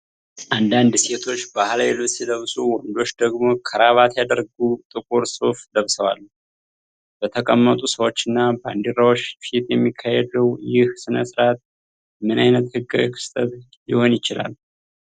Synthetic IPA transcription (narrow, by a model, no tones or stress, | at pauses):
ʔand̪and̪se̞t̪ʰo̞t͡ʃːbahalajelot͡ʃsid̪əβsuwɔnd̪o̞t͡ʃːd̪əɡmo̞kʰəɾaβat̪jad̪əɾɡut̪ʼɨkʼuɾso̞fd̪əβsəwa̰lː | b̥ət̪ʰəkʼəmːət̪ʼusəwo̞t͡ʃːɪnːaba̰nd̪eɾawo̞t͡ʃːfit̪jɛmːikʰːahɛd̪əwjɪhsɨnəsɨɾat̪̚ | mɨnajnət̪hɨɡa̰wkʰɨ̥st̪ʼət̪ | jɪho̞njɪt͡ʃɪla̰lː